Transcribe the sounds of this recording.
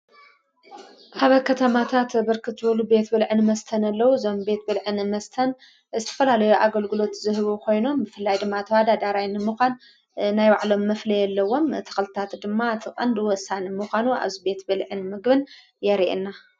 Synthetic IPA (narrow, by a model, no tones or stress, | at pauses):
haβɐkʰɐt̪ʰɐmat̪ʰat̪bɨɾkʰɨt̪zɨbɐlube̞t̪bɨlʕɨnmɐst̪ʰɐnɐlːɐwuzo̞mbe̞t̪̚bɨlʕɨnmɐst̪ʰɐn | zɨt̪ʰɐ̥fɐlalɐjuʔaɡɐlɡɨlo̞t̪zɨɦɨβukʰo̞jno̞mbɨfɨlːajd̪ɨmːat̪ʰɐwad̪ad̪aɾajnːɨmɨxʷan | najwaʕlo̞mːɐflɐjɛlːɐwːo̞mt̪ʰɐ̥kɐlɨt̪ʰat̪d̪ɨmːat̪ʰɨkʼɐnd̪ɨwɔsːanɨmɨxʷanuʔa̰βzibe̞t̪bɨlʕɨnmɨɡbɨn | jɛɾiʔḛnːa